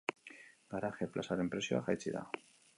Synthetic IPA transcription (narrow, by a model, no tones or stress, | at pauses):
ɡaɾaxe̞plasaɾempɾe̞sjoa̰xajt͡siða̰